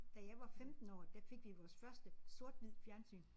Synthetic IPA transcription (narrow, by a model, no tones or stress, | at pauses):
d̥æjɑ̈ɪʋɑ̈femd̥n̩ɒ̰ːd̥æfe̝ɡ̥ʋiʋɒːsfɶɐsd̥əso̝ɐ̰d̥ʋið̰ˠfjæɐnsy̰ːn